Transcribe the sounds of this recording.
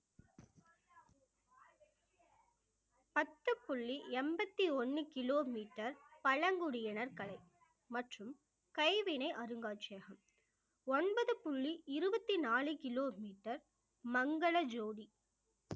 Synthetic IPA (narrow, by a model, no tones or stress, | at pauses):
pɐt̪ːɯpːʊɭːiɛmbɐt̪ːiɔnːɯkɪloːmiːʈːɐɾpɐɻɐŋɡʊɽɪjɐnɐɾkɐɭɐɪ | mɐʈrɯm | kɐɪʋɪnɐɪʔɐɾɯŋɡaːt͡ʃɐjɣɐm | ɔnbɐðɯpʊɭːiɪɾɯbɐt̪ːinaːɭɯkɪloːmiːʈːɐɾ | mɐŋɡɐɭɐd͡ʒoːɽi